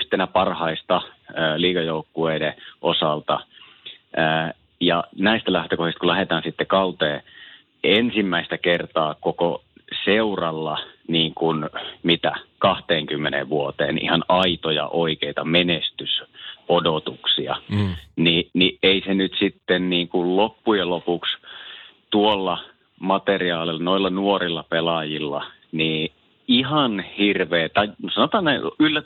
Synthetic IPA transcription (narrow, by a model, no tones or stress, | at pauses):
yht̪enæpɑrhɑist̪ɑːliːkɑjoukːueideʔosɑlt̪ɑ | əː | jɑnæist̪ælæht̪økohist̪kulæhet̪ɑːnsit̪ːekɑut̪eː | ensimːæist̪ækert̪ɑːkoko | seurɑlːɑniːŋkunmit̪ækɑht̪eːŋkymːenḛʋʋuot̪ḛːnʔḭhɑnɑit̪ojɑ̰ʔoikeit̪ɑmenest̪ysodot̪uksiɑ̰niniʔeisenyt̪sit̪ːenniːŋkullopːujelopuks | t̪uolːɑ | mɑt̪eriɑːlilːɑnoilːɑnuorilːɑpelɑjilːɑ̰ | niː | ihɑnhirʋeːt̪ɑisɑnot̪ɑːnneylːæ